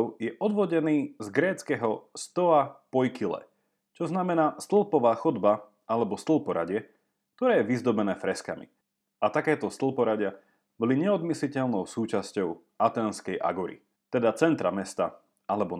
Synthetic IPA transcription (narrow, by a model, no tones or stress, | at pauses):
ʊjɛʔɔd̪ʋɔɟɛniːzɡɾɛːt͡skɛɦɔst̪ɔapɔjkilɛ̰ | t͡ʃɔznamɛnaːst̪l̩ˠpɔʋaːxɔd̪ba | alɛbɔst̪l̩ˠpɔɾa̰ɟɪɛ | k̚t̪ɔɾɛːjɛʋizd̪ɔbɛnɛːfɾɛskamḭ | ʔat̪akɛːt̪ɔst̪l̩pɔɾaɟɪa | bɔliɲɛɔd̪mislicɛʎnɔʊsuːt͡ʃascɔʊ | ʔat̪ɛːnskɛjʔa̰ɡuɾḭ | t̪ɛd̪at͡sɛnt̪ɾamɛst̪a | alɛbɔ